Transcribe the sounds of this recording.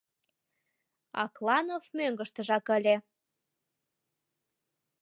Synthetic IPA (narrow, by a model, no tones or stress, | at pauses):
ɑ̰klɑnovmøŋɡəʃt̪əʒɑkəlʲe